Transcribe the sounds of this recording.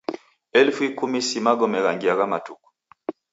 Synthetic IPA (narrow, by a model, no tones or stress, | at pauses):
ɛlfuikumisimaɡɔmɛɣaŋɡiaɣamatuku̥